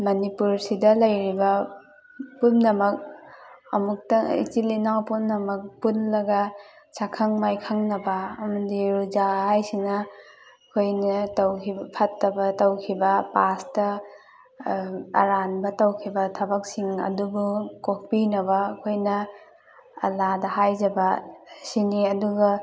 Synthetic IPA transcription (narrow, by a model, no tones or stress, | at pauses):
mɐnipuɾsidɐlɐjɾibɐ | pumnɐmɐk̚ɐmuk̚tɐḭtilinawpumnɐmɐk̚punlɐɡɐ | sakʰaŋmajkʰaŋnɐbɐɐmɐdiɾud͡ʒaɦajsinɐ | kʰojnɐtɐwkʰibpʰɐtːɐbɐtɐwkʰibɐpastɐ | ɐ̰ɾanbɐtɐwkʰibɐtʰɐbɐk̚siŋɐ̰dubukok̚pinɐβɐːkʰojnɐ | ɐ̰ladɐɦajzɐbɐsiniɐduɡɐ